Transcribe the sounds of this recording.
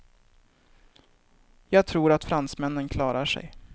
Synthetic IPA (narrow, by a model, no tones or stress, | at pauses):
jɑːɡ̚t̪ʰɾuːɾat̪fɾansmɛnːənkʰlɑːɾaʂɛ̰j